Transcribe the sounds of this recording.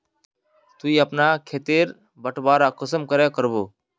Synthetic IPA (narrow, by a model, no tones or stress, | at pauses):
t̪uiːəpnaːkʰeːt̪eːɾ | bəʈʰbaːɾaːkəsəmkəɾɛːkəɾboː